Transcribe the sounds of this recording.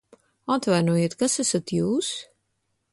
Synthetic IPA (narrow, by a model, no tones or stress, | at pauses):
at̪vajnuɔjeɛt̪kasæsat̪juːs